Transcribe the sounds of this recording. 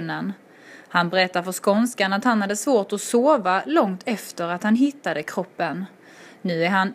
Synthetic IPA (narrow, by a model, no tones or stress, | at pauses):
nən | hanbɛɾɛt̪ːaɾfœʂkɔnskaɳat̪hanhad̪ːəsvoːʈɔsoːvalɔŋt̪ʰɛft̪əɾat̪hanɦɪt̪ːad̪əkʰɾɔpːənː | ʉ̟ːæɾɦan